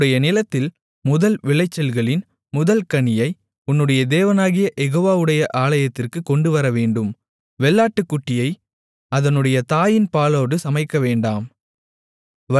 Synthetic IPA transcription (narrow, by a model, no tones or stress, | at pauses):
ɽɐjɐnɪlɐt̪ːɪl | mʊðɐlʋɪɭɐɪt͡ʃːɐlɣɐɭɪn | mʊðɐlkɐɳɪjɐɪ | ʊnːɯɽɐjɐd̪eːʋɐnaːɣɪjɐʔɛɣoːʋaːʋɯɽɐjɐʔaːɭɐjɐt̪ːɪrkɯkːɔɳɖɯʋɐɾɐʋeːɳɖɯm | ʋɛɭːaːʈːɯkːʊʈːɪjɐɪ | ɐðɐnɯɽɐjɐt̪aːjɪnpaːloːɽɯsɐmɐɪkːɐʋeːɳɖaːm